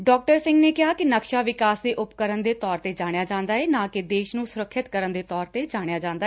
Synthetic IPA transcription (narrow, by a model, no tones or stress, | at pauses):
ɖɔːk̚ʈəɾsɪ̃ŋɡneːkɪɦaːkɪnəkʃaːʋɪkaːsd̪eːʔʊpkəɾənd̪eːt̪ɔːɾt̪eːd͡ʒaːɽ̃ejaːd͡ʒãːnd̪aːɦɛːnãːkɪd̪eːʃnũːsʊɾəkʰːɪt̪kəɾənd̪eːt̪ɔːɾt̪eːd͡ʒaːɽ̃ejaːd͡ʒãːnd̪aː